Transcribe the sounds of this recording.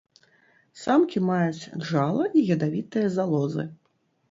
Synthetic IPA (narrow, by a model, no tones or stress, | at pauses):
samkʲimajut͡sʲʐalˠɐʔiɣʲɐd̪avʲit̪ɨjɐzalˠɔzɨ̰